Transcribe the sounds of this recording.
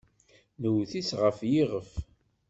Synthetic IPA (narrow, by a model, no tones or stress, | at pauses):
nəwθisʁəfjiʁəf